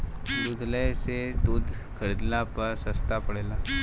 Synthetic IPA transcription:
d̪ud̪ʱləjsed̪uːd̪ʱ | kʰəɾid̪lapəɾsəst̪apəɽjla

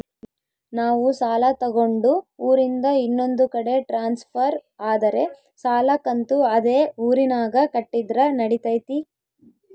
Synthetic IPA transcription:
naːʋusaːlɐt̪ɐɡo̞ɳɖuuːɾind̪ɐinːo̞nd̪ukɐɽe̞ʈɾaːnspʰɐɾaːd̪ɐɾe̞ | saːlɐkɐnt̪uɐd̪eːuːɾinaːɡɐkɐʈːid̪ɾɐnɐɽit̪ɐjt̪i

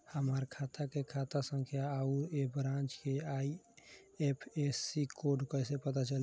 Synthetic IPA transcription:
həmaɾkʰat̪ʰakekʰat̪asəŋkʰjaːuɾebɾãnt͡ʃkeai | epʰesːikoɖkəɪsepət̪at͡ʃəl

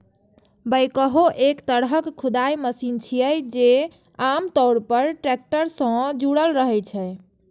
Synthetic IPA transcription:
bəjkəɦoʔekt̪əɽɦəkkʰːud̪ajməsint͡ʃʰijəjd͡ʒe | amt̪ɔwɽpəɾʈɾɛk̚ʈəɾsə̃d͡ʒuɽəlɾəɦɛt͡ʃʰɛ

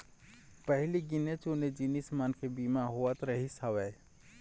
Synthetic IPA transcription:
pəɦliɡɪnet͡ʃʊned͡ʒinismankʰebimaɦowət̪ɾəɦisaʋɛː

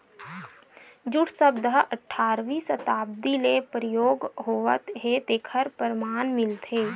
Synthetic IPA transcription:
d͡ʒʊʈʰsəbd̪ɦəʔəʈʰːaːɾʋisət̪aːb̚d̪ilepɾəjoːɡɦoːʋə̰t̪ɦed̪eːkʰəɾpəɾmaːnmɪlt̪ɦeː

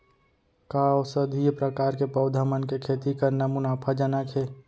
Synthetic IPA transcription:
kaosəd̪ʱijpɾəkaːɾkepəʊd̪ʱamənkekʰeːt̪ikəɾnəmunaːpʰad͡ʒənakʰe

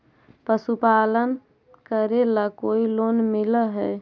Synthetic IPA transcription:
pəsupalən | kəɾelakoilonmiləɦɛ

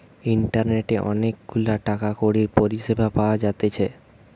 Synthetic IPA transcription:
iɳʈaɾneʈeʔɔ̰nek̚ɡulaʈakakoɽiɾpoɾiʃebʱapaoad͡ʑat̪et͡ɕʰe

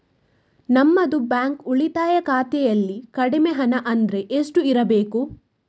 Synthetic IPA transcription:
nɐmːɐd̪ubaːŋkuɭit̪aːjɐkaːt̪ɛjɐlːikɐɽimeɦɐnɐʔɐnd̪ɾe̞ʔesʈuiɾɐbe̞ːku

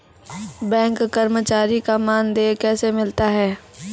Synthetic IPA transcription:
bɛ̃ːŋkːɐɾmət͡ʃaːɾikamaːnd̪eːkɛːsemɪlt̪aɦɛː

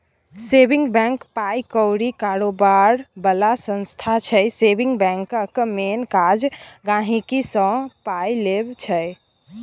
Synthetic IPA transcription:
sebiŋɡbɛ̃ŋkpajkəwɾikaɾobaɾbəlasə̃nst̪ʰat͡ʃʰəjsebiŋɡbɛ̃ŋkəkmenkad͡ʒɡãɦikisə̃pajlebt͡ʃʰɛ

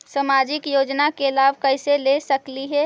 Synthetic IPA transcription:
səmad͡ʒɪkjoːd͡ʒnakelabkəɪselesəkliɦɛ

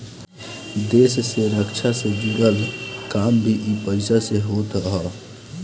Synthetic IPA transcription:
d̪esseɾəkt͡ʃʰased͡ʒuɾəlkambʱiʔipəɪsaseɦot̪ɦə

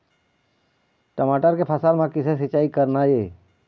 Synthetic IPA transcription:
ʈəmaːʈəɾkepʰəsaːlmãkɪses̬ɪt͡ʃːaːikəɾnaeː

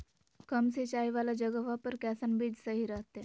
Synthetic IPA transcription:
kəmset͡ɕajʋalad͡ʑəɡəʋapəɾkɛsənbiːd͡zsəɦiɾəɦt̪e

